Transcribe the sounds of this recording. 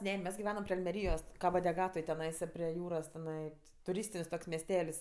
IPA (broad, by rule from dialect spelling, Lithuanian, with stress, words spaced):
ˈnʲɛ ˈmʲɛs ɡʲɪˈʋʲæːnɐm pʲrʲɪ ɐlʲmʲɛˈrʲiːjoːs kɐboː dʲɛˈɡɑːtoːj tʲɛˈnɐɪsɐ pʲrʲiɛ ˈjuːroːs tʲɛˈnɐɪ tʊˈrʲiːsʲtʲɪnʲsʲ toːks mʲɛsʲˈtʲɛlʲsʲ